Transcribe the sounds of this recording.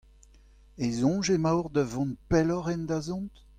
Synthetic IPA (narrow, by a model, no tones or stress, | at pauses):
ezɔ̃ʒemawʁd̪əvɔ̃npɛlɔʁɛnd̪azɔ̃nt̪